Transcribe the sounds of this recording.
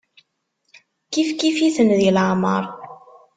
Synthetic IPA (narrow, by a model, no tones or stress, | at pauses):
kifkifiθənðilʕmə̰ɾˤ